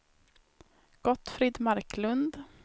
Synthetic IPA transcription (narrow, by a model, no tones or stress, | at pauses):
ɡ̥ɔt̪ːfɾɪd̪maɾklɵnd̪